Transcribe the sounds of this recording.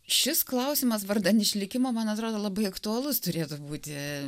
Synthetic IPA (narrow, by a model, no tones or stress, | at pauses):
ʃʲɪsklˠɐʊsʲɪmɐsʋɐrd̪ɐnɪʃʲlʲɪkʲɪmoːmɐnɐt̪ɾoːd̪oːlˠɐbɐɪɐkt̪ʊɐlˠʊst̪ʊɾʲeːt̪ʊbuːt̪ʲɪ